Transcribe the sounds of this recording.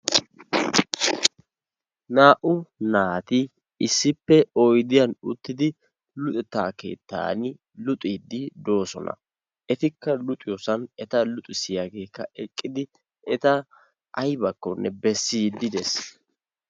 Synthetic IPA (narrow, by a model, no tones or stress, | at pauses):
naːʔʊnaːt̪ɪ | ɪsːɪpːɛɔjd̪ɪjɐnʊt̪ːɪd̪ɪ | lʊt̪ʼɛt̪ːaːke̞̰ːt̪ːa̰ːnɪ | lʊt̪ʼid̪ːɪd̪o̞ːsɔnɐ̰ | ʔɛt̪ɪkːɐlʊt̪ʼɪjɔsɐnɛt̪ɐlʊt̪ʼɪsɪjaɡe̞ːkːɐɛkʼːɪd̪ɪ | ɛt̪ɐ | ʔɐjbɐkːɔnːɛbɛsːiːd̪ːɪd̪ɛs